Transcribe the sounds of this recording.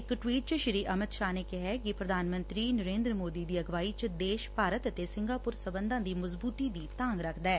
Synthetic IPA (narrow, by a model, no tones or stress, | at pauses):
ɪkʈwiːʈ̚t͡ʃɪɾiːʔəmɪd̪ʃaːneːkɪɦɛːkɪpɾəd̪ʱaːnmə̃nt̪ɾiːnəɾẽːnd̪ɾəmoːd̪iːd̪iːəɡʋaːit͡ʃd̪eːʃpaːɾət̪ət̪esɪŋɡaːpʊɾsəbənd̪ãːd̪iːməzbuːt̪iːd̪iːt̪ãːŋɡɾəkʰd̪ɛː